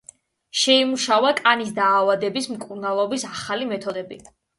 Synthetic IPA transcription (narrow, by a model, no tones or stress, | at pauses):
ʃɛimuʃavakʼanisd̪aːvad̪ɛbismkʼuɾnalˠɔbisaχalimɛt̪ʰɔd̪ɛbḭ